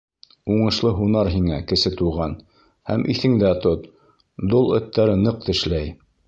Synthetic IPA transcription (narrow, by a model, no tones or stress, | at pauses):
uɴɤ̆ʃlˠɤɦunɑɾɦiŋækɘ̆sɘt̪uʁɑn | hæmʔḭθɘ̆ŋd̪æt̪ot̪ | d̪olˠɵ̆t̪ːæɾɘnɤq̚t̪ɘ̆ʃlæj